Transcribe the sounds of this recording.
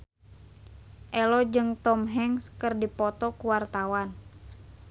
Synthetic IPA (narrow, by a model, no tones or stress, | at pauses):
ʔɛlɔd͡ʒɨŋt̪ɔmɦɛŋskɨrdipɔt̪ɔkuwart̪awan